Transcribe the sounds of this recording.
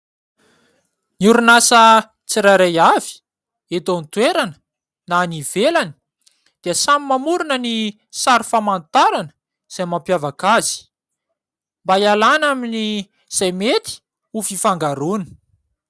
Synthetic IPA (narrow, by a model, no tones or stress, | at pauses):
niuɾunasə | t͡siɾaɾajavi̥ | et̪ont̪weɾanə̥ | nanivelanə̥ | d̪̥iəsamimamuɾunəni | saɾufamant̪aɾanə̥ | z̥ajmampjavakazi̥ | mbajalanamini | z̥ajmet̪i̥ | ufifaŋɡaɾuni̥